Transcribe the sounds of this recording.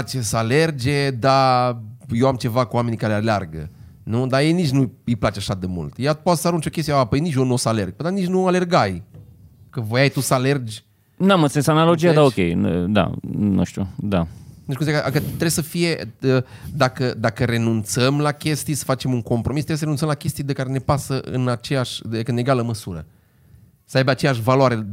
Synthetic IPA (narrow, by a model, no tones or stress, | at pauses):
t͡ʃesəale̞rd͡ʒʲe̞d̪a | jewamt͡ʃe̞vakuwame̞nikaɾealea̰rɡə̰ | nud̪aje̞jnit͡ʃʲnuijplat͡ʃeaʃad̪e̞mṵlt̪jat̪pot̪səaɾunt͡ʃo̞kʲest̪jeapəjnit͡ʃjonosale̞rɡ̚pəjd̪anit͡ʃnuale̞rɡaj | kəvojajt̪usəale̞rd͡ʒʲ | namə̃nt̪sinsanalod͡ʒiad̪aokʲḛjd̪a̰nṵʃt̪ṵd̪auʃt̪kumszijakkət̪ːɾebsəfijeəd̪akəd̪akəɾe̞nunt̪səmlakʲe̞st̪ijesə̥fat͡ʃe̞muŋko̞mpɾʔo̞mist̪ɾesəɾenunt̪səmlakʲe̞st̪ijd̪ekaɾe̞ne̞pasəʔɨ̰nat͡ʃejaʃʲd̪ekəneɡaləməsuɾə̰ | səajbeat͡ʃejaʃ̬valwaɾe̞